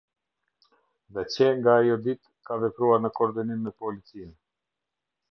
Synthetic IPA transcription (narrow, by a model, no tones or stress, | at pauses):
ðɛcɛŋɡaːjɔd̪it̪ | kavɛpɾuaɾnəkɔɾd̪inimːɛpɔlit͡sin